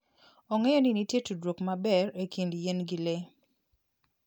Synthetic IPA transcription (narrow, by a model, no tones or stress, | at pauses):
ɔŋɛjɔninitjetudwokmabɛrekindjenɡile